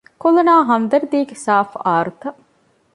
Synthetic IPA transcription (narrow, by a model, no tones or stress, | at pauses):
kolɐnaːɦɐnd̪ɐɾd̪iːɡesaːfaːɾut̪ɐ